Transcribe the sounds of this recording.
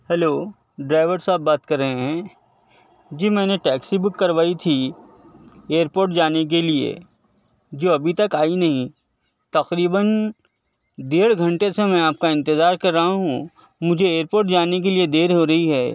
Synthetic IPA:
hɛloː | ɖɾaːɪʋəɾsaːbːaːt̪kɐɾːɐɦẽɦɛ̃ː | d͡ʒiːmɛ̃ːneʈɛːksibʊkːɐɾʋaːit̪ʰi | eːəɾpoːɾʈ̚d͡ʒaːnek̬eliḛ | d͡ʒoːɐbʱit̪ɐkaːinɐɦĩ | t̪ɐqɾiːbən | d̪eːɽ̤ɡʱɐ̃ɳʈesemɛ̃aːp̚kaɪ̃nt̪ɪzaːɾkɐɾːɐɦaɦũ | mʊd͡ʒʱeeːɾpoːɾʈd͡ʒaːnek̬elied̪eːɾɦoɾɐɦiɦɛː

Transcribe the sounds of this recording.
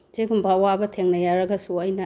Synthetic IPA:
z̥eɡumbɐɐwabɐtʰeŋnɐjaɾɐɡɐsuɐjnɐ

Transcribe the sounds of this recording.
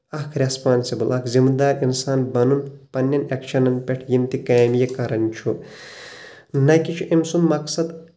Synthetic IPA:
ɐkʰɾʲespaːnsibɨlɐkʰzimd̪aːɾʲinsaːnbɐnunpɐnʲːɐnekʃɐnɐnpʲeʈʰjimt̪ikɐːmjekɐɾɐnʲt͡ʃʰu | nɐjkit͡ʃʰuʔimsummɐksɐd̪

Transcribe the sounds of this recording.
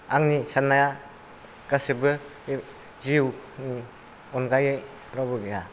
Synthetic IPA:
aŋnisanaja | ɡ̥asibɯ | ziwni | ɔnɡajɯj | ɾɔbɯɡeja

